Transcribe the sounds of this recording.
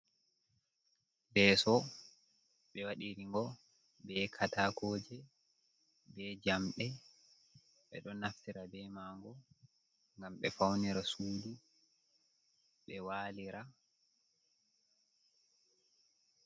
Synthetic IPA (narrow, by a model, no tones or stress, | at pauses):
bɛːsɔ | ɓɛwaɗiɾiŋɡɔ | bɛkʰataːkʰɔːd͡ʒɛ | bɛd͡ʒamɓɛ | ɓɛ̰ɗɔnaftiɾabɛmaːŋɡɔ | ŋɡamɓɛfawniɾasuːdu | ɓɛwaːliɾa